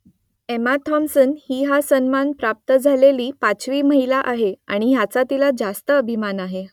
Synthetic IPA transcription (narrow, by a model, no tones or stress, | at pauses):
emat̪ʰɔmsənhiːɦasənmanpɾap̚t̪əd͡zʱaleliːpat͡sʋiːməɦilaʔaɦea̰ɽ̃iɦjat͡sat̪ilad͡zast̪əːbʱimanaɦe